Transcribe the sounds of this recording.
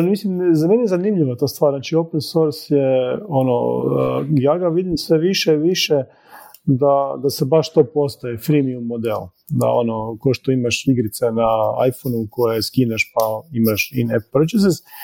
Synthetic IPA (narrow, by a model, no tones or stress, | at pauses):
nmislimzamenijezanimʎiʋat̪ost̪ʋaːɾnaːt͡ʃiopensoɾsjeono̰əjaːɡaʋid̪imsʋeʋiʃeʋiʃe | d̪ad̪asebaʃt̪opo̞st̪ajefɾimiumːod̪ḛl | d̪a̰o̞̰nokoʃt̪oimaʃiɡɾit̪senaa̰jfonuko̞jeskinaʃpaimaʃineppɾot͡ʃes̬es